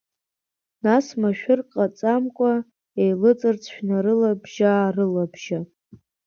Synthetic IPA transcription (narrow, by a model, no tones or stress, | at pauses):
nasmaʃᶣʊrqʼat͡sʼamkʷʼa | ejlɨt͡sʼɨrt͡sʰʃᶣnaɾɨlabʒaːrɨlabʒa